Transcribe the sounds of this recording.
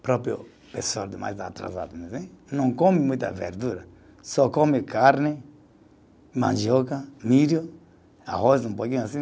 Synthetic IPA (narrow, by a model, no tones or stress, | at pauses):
pɾɔpɾjo̰ | pesald̪ɪma̰jza̰t̪ɾa̰za̰d̪umezẽnɐ̃w̃komɪmũj̃t̪a̰vḛɾd̪uɾɐ | sɔkomɪkaɾnɪ | mã̰nʒokamiɾjo | a̰hosũmpokĩɲʊasĩ